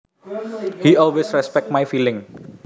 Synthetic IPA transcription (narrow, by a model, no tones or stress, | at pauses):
hiɔlwesɾɛspɛk̚t̚majfilɪ̃ŋ